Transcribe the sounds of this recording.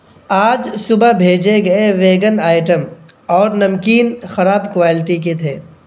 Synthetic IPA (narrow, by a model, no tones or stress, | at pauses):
aːd͡ʒsʊbabʱeːd͡ʒeɡɐeʋeːɡənaːɪʈəm | ɔːɾnɐmkiːnxɐɾaːbkʋaːlɪʈiket̪ʰeː